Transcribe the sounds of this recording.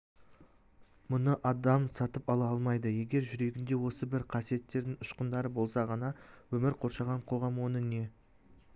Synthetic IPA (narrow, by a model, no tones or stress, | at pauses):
mʊnəʔɑd̪ɑmsɑt̪əpɑlˠɑɑlˠmɑjd̪əje̞ɡʲe̞ɾʒʏɾe̞ɡʲɪnd̪e̞wo̞səbɪɾqʰɑsije̞t̪ːe̞ɾd̪ɪŋʊʃqənd̪ɑɾəbo̞lˠsɑʁɑnɑwɵmɪɾqʰo̞ɾʃɑʁɑɴqʰo̞ʁɑmwo̞nəne̞